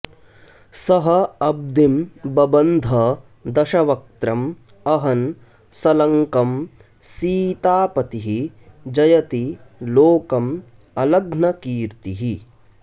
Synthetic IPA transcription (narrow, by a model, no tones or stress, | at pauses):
sɐɦɐɐb̚d̪imbɐbɐnd̪ʱɐ | d̪ɐʃɐʋɐk̚t̪ɾɐm | ɐɦɐn | sɐlɐŋkɐm | siːt̪aːpɐt̪iɦid͡ʒɐjɐt̪iloːkɐm | ɐlɐɡnɐkiːɾt̪iɦi